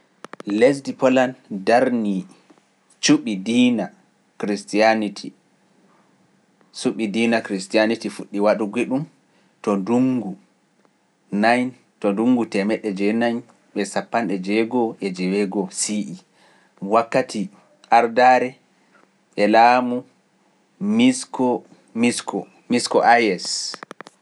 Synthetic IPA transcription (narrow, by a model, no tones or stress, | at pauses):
les̬dipɔlandaɾni | t͡ʃuɓidina | kɾistianitʰi | suɓidiːnakɾistijanitifuɗːiwaɗuɡiɗum | tɔnduŋɡu | najn | tɔnduŋɡutɛmɛɗːɛd͡ʒɛnaɲ | ɓɛsapːanɗɛd͡ʒɛɡɔʔɛd͡ʒɛwɛɡɔsiʔi | wakːatʰi | ʔaɾdaɾɛ | ʔɛlaːmu | miskɔ | miskɔ | miskɔʔajɛs